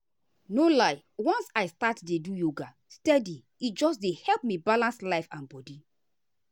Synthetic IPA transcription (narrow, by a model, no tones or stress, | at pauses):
nolaɪ | wɔ̃nsaɪstatdedujoɡa | stɛdi | itd͡ʒɔs̬dehɛlpmibalãnslaɪfãnbɔdi